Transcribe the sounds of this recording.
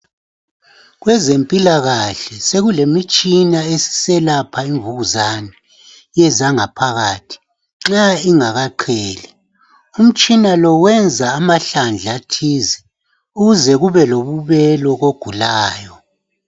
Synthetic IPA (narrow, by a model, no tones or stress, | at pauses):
ɣwɛzempʼilaɣaɬɛseɣulemit͡ʃʼinaesi̥sɛlapʰaiɱvuɣuzanɛ | jɛzaŋapʰaɣaːtʰi̥ | ŋ͡ǁaiŋaɣaǃʰɛːlɛ | um̩t͡ʃʼinalɔwɛnd͡zʱaːmaɬand͡ɮʱatʰiːzɛ | uɣuzɛɣuβɛloβuβɛlɔɣoɡ̥ʱulaːjɔ